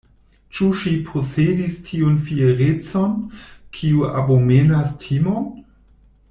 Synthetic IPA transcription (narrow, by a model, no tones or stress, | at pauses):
t͡ʃuʃipʰosedistʰiunfieɾet͡sonkʰiua̰bomenastʰimon